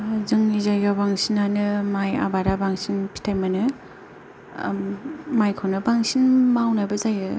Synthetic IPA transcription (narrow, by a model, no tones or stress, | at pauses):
zɯŋːizajɡabaŋsinanɯmaja̰baɾabaŋsinpʰi̥tʰajmɯnɯ | majkʰawnɯbaŋsinmawnajbazajɯ